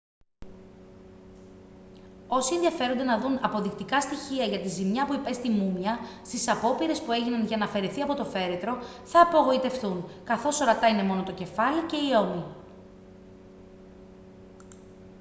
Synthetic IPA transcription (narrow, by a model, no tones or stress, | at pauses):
o̞sienðiɐfe̞ɾond̪e̞nɐðunɐpo̞ðikt̪ikɐst̪içiɐʝɐt̪izimɲɐpuipe̞st̪imumɲɐst̪isɐpo̞piɾe̞spue̞ʝinɐnʝɐnɐfe̞ɾeθiɐpo̞t̪o̞fe̞ɾe̞t̪ɾo̞θɐːpo̞ɣo̞it̪e̞fθunkɐθo̞so̞ɾɐt̪ɐine̞mo̞no̞t̪o̞ce̞fɐlice̞io̞mi